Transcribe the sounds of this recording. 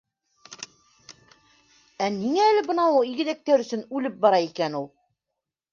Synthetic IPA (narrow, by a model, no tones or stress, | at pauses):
æniŋæːlɘbɤ̆nɑulˠiɡɘ̆ðæk̚t̪æɾɵ̆sɵnʉlɘp̚bɑɾɑikænulˠ